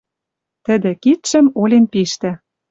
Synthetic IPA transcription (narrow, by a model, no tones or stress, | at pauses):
t̪ə̆d̪ĕkit̪ʃə̆molʲenpiʃt̪ĕ